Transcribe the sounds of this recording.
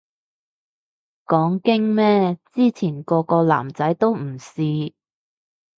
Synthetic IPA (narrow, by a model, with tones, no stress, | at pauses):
kɔː˨˥ŋkɪ˥ŋmɛː˥t͡siː˥t͡sʰiː˨˩nkɔː˧kɔː˧la̰ː˨˩mt͡sɐ˨˥jt̪o˥wm̩˨˩siː˧